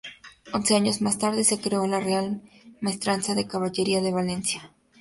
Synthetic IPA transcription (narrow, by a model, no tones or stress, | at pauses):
o̞nse̞aɲo̞zmast̪aɾðe̞se̞kɾeo̞larealmest̪ɾansaðe̞kaβaʝe̞ɾiaðe̞βale̞nsja